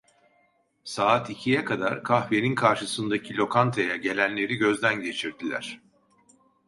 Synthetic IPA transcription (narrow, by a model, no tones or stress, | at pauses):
saːt̪icʰijɛkʰad̪a̰ɾkʰaxveninkʰaɾʃɯsɯnd̪acʰilʲo̞kʰant̪ʰajaɟe̞lʲænlʲe̞ɾiɟø̞zd̪ænɟe̞t͡ʃʰiɾd̪ilʲæ̰ɾ̝̥